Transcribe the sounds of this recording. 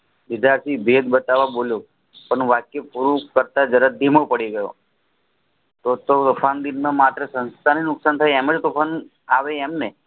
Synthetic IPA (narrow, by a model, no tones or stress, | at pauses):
ʋɪd͡ʒaɾsibʱed̪bət̪aʋaboljo | pəɳʋakjəpuɾukəɾt̪ad͡ʒəɾad̪ʱimopəɽiɡəjo̰ | t̪ot̪ot̪ufʰand̪inmãmat̪ɾəsənst̪ʰaninʊksant̪ʰajɛməd͡ʒt̪upʰan | aʋeːmne